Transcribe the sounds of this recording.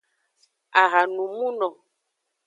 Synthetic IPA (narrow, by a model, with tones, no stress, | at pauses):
a˨ɣa˨nũ˨mũ˦nɔ̃˨